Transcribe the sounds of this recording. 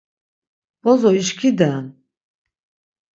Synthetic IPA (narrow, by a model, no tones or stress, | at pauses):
bɔzɔiʃkʰid̪an